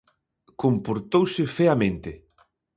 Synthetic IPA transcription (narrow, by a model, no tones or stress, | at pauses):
kompoɾt̪owsɪfeamẽnt̪ɪ